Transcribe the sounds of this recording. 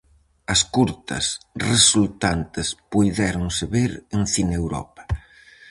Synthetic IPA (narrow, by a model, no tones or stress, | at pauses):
ɐskuɾt̪ɐ̰sresult̪ant̪ɪspujðɛɾoŋseβeɾeŋθinewɾɔ̰pɐ̥